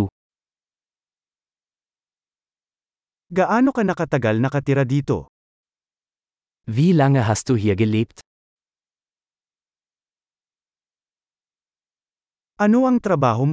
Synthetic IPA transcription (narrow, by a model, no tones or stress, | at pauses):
u | ɡaʔaːno̞kɐnɐkɐt̪ɐɡalnɐkɐt̪ɪɾad̪iːt̪o̞̰ | viːlaŋɐɦast̪uɦɪjaɡɐlɛp̚t̪ | ʔɐno̞ɐŋt̪ɾɐbaːɦom